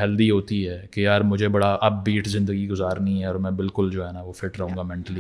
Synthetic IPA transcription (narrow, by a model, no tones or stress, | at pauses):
ɦɐld̪iɦoːt̪iɦɛːkejaːɾmʊd͡ʒʱebɐɽaʔɐbːiːʈzɪ̃nd̪əɡiɡʊzaːɾnĩɦɛɔːɾmɛ̃ːbɪlkʊld͡ʒoːɦɛːnaʋoːfɪʈɾɐɦũːŋɡaːmɛ̃ːɳʈəli